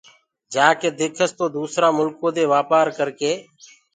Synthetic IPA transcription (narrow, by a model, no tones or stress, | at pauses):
d͡ʒaːkeːd̪eːkʰəst̪oːd̪uːsɾaːmʊlkõːd̪eːʋaːpaːɾkəɾkeː